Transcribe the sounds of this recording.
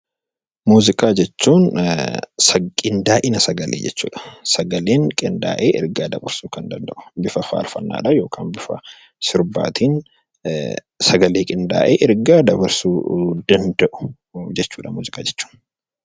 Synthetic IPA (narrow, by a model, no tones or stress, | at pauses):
muːzɪkʼaːd͡ʒɛt͡ʃːuːn | sɐkʼɪnd̪aːʔɪnɐsɐɡɐleːd͡ʒɛt͡ʃːṵːᶑɐ̥sɐɡɐleːŋkʼɪnd̪a̰ːʔeːʔɪ̰ɾɡaːd̪ɐ̰bɐɾsuːkɐnd̪ɐnd̪ɐʔʊ̥bɪfɐfa̰ːlfɐ̰nːa̰ːᶑɐjo̞ːkʰa̰ːnbɪfɐ̰ | sɪɾba̰ːt̪ʰiːn | sɐɡɐleːkʼɪnd̪a̰ːʔeːʔɪɾɡaːd̪ɐbɐɾsuːd̪ɐnd̪ɐʔʊ̥ | d͡ʒɛt͡ʃːuːᶑɐmuːzɪkʼaːd͡ʒɛt͡ʃːu̥ːn